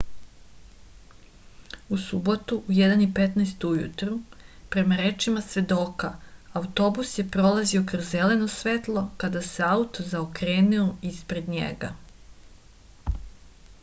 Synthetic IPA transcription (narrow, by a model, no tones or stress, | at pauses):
usubo̞t̪uʔujed̪anipet̪naest̪ujṵt̪ɾupɾe̞maɾe̞t͡ʃimasʋe̞d̪o̞ːkaaut̪o̞busje̞pɾo̞lˠazio̞kɾozːe̞le̞no̞sʋe̞t̪lˠo̞kad̪ase̞aut̪ozaokɾeːnioispɾe̞d̪ɲḛɡa